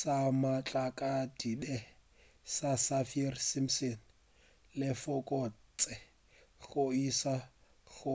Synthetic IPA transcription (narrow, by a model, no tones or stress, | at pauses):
samat͡ɬʼakʼadidɛ | sasafiɛrsimsen | lɪfʊkʼɔt͡sʼɛ | ɣʊisa | ɣʊ